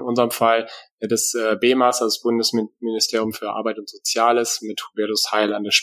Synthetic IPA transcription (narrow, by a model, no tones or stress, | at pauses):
nʔʊnzəʁəmfal | ɛdasʔɛːbeːmaːsɐsb̥ʊndəsmɪnɪstʰeːɐjʊmfyːɐʔa̰ɐbaɪtʊntz̥ot͡sjaːləsmɪthubɛɐdʊshaɪlandeːɐʃ